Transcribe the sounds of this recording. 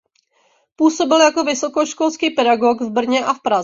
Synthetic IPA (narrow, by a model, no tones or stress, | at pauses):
puːsobɪljakovɪsokoʃkolskiːpɛdaɡoɡvbr̩ɲɛʔafpɾaz